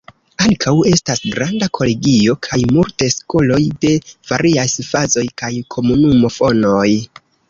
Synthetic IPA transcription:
aŋkʰawe̞stasɡɾandakʰo̞le̞ɡio̞kʰajmultesko̞lo̞jde̞v̥aɾiajsfazo̞jkajkʰo̞munumo̞fo̞no̞j

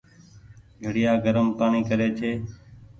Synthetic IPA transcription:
ɡʱəɽɪjaːɡəɾəmpaːɳiːkəɾeːt͡ʃʰeː

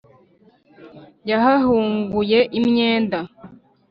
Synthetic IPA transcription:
jaɦaɦuːŋɡuje̞ʔimɲe̞ːnda

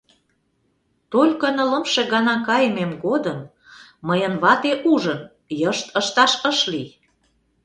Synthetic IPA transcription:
t̪olʲkənə̆lə̆mʃeɣɑnɑkɑjmemɡod̪əmː | əjənβɑt̪eʔuʒən | jəʃt̪əʃt̪ɑʃəʃli

